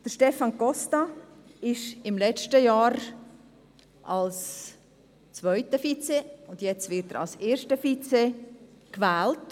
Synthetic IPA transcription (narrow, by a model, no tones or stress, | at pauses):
d̥əʃtɛfɑnkɔstɑɪʃɪmlɛt͡ʃtəjɑːɾ | ʔɑls | t͡svœʏtəfit͡seʊndjɛt͡stvɪɾtəɾɑ̰lseːɾʃtəfit͡sekvɛːlt